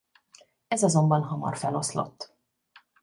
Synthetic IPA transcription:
ɛzɒzo̞mbɒnɦɒmɒ̰rfɛlo̞slo̞̰t̪ː

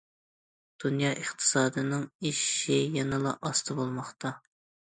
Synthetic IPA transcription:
d̪̥unjɑːʔəχt̪ʰɨ̥sɑːd̪ɨnɨŋiʃijɛnɨlˠɑ̰ʔɑst̪ʰɨbolˠmɑχt̪ʰɑ

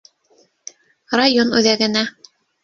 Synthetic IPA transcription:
rajonʉðæɡɘ̆næ

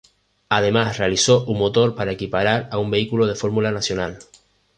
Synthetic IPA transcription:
að̞e̞masre̞aliso̞ʔuŋmo̞t̪o̞ɾpaɾae̞kipaɾaɾaumbe̞ikuloðe̞fo̞ɾmulanasjo̞nal

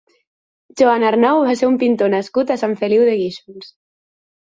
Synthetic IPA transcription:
ʒoanaɾnɔwβaseɾumpint̪onaskut̪asaɱfeliwðeɣiʃuns

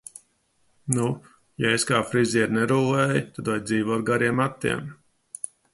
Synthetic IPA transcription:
nu | jaeskaːfɾiziɛɾnɛɾuːlˠɛːjt̪ad̪vajd̪ziːvɔɾɡaɾiɛmat̪ːḭɛm

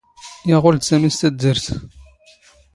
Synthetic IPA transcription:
jɑʁʊld̪sæmist̪æd̪ːəɾθ

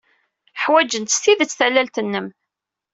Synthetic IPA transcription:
ħwæd͡ʒənt̪sθiðət͡sːθælːælt̪ənːəm

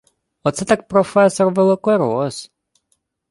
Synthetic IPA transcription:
ɔt̪sɛt̪ak̚pɾɔfɛsɔrʋɛlˠɔkɔɾɔs

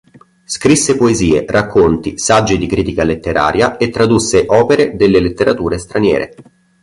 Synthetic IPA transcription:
skɾisːepoeziːerʔakʰːont̪isad͡ʒːid̪ikɾiːt̪ikalet̪ːeɾʔa̰ːɾjaet̪ːɾad̪usːeʔɔːpeɾed̪elːelet̪ːeɾat̪uːɾest̪ɾanjɛ̰ːɾʔḛ

